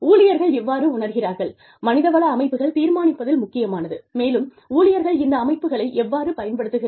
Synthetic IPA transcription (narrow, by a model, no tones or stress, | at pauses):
uːlɪjɐɾɣɐɭɛʋːaːɾɯʊɳɐɾɣɪraːɾɣɐɭ | mɐnɪðɐʋɐɭɐːmɐɪpːɯɣɐɭt̪iːɾmaːnɪpːɐðɪlmʊkːɪjɐmaːnɐðɯmeːlɯm | uːlɪjɐɾɣɐɭɪnd̪ɐːmɐɪpːɯɣɐɭɐɪʔɛʋːaːɾɯpɐjɐnpɐɽɯt̪ːɯɣɪ